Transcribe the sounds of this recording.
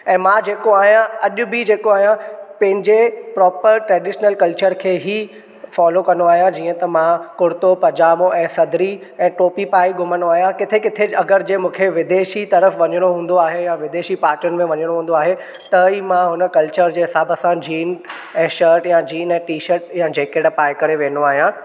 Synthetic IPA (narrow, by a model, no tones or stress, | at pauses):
ɛ̃ːmãd͡ʑeːkoaːɦijãɐʄʊbɪd͡ʑeːkoaːɦijãpɐ̃ɦɪ̃ɲd͡ʑepɾɔːpəɾʈɾɛːɖɪːʃnəlkɐlt͡ɕəɾkʰeːɦi | fɔːlokɐnoaːɦjãd͡ʑiːə̃t̪ɐmãkʊɽt̪opɐd͡ʑaːmõʔɛ̃ːsɐd̪ʱɾi | ɛ̃ːʈoːpipaːiɡʱʊmənoaːɦijãkɪt̪ʰekɪt̪ʰeɐɡəɾd͡ʑeːmũːkʰeʋɪd̪eːʃit̪ɐɾəfʋɐɲəɽ̃oɦũːnd̪oaːɦejaʋɪd̪eːʃipaːɾʈənɪmẽʋɐɲəɽ̃õɦũːn̆d̪oaːɦe | t̪ɐiːmãɦʊnəkɐlt͡ɕəɾd͡ʑeːɦɪsaːbəsãd͡ʑiːn | ɛ̃ːʃəːɾʈjãd͡ʑiːnɛ̃ːʈiːʃəɾʈjãd͡ʑeːkeʈpaːɪkɐɾeʋẽːnoaːɦijã